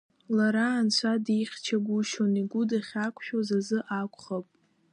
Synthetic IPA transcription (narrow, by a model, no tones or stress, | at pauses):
laɾaːnt͡sʷʰadijχʲt͡ʃʰaɡʷʊʃoniɡʷʊdaχʲakʷʰʃᶣozazɨʔakʷʰʼχapʼ